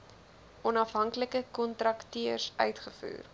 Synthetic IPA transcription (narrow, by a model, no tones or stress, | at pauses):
ʔɔnɐfɦɐŋkləkəkɔntrɐktiərsœ̰ɥtχəfṵːr